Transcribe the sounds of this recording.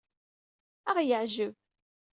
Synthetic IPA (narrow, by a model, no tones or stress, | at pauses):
æʁjəʕʒəv